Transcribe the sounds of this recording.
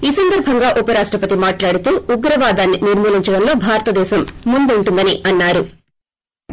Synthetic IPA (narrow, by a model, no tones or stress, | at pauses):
iːsɐnd̪ɐɾbʱɐŋɡaːʔupɐɾaːʂʈɾɐpɐt̪imaːʈlaːɽut̪uːuɡɾɐʋaːd̪aːnːiniɾmuːliɲt͡ʃɐɽɐmlo̞ːbʱaːɾɐt̪ɐd̪ɛːʃɐmːund̪uɳʈund̪ɐniɐnːaːɾu